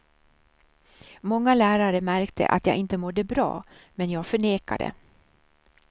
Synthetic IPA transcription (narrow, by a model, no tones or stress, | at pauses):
mɔŋːalæːɾaɾəmæɾkt̪ʰə̰ʔa̰t̪jɑ̰ːɡʔɪnt̪əmɔd̪ːəbɾɑ̰ːmɛnjɑːɡfœɳeːka̰d̪ə̰